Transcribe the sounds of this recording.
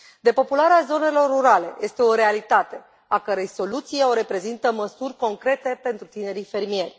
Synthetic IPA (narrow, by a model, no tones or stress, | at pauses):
d̪e̞po̞pulaɾeazo̞ne̞lo̞rːuɾale̞̰je̞st̪e̞o̞ɾe̞alit̪at̪e̞ | akəɾejso̞lut̪sijeo̞ɾe̞pɾe̞zint̪əməsurʲko̞ŋkɾe̞t̪e̞pe̞nt̪ɾut̪ine̞ɾife̞rmije̞rʲ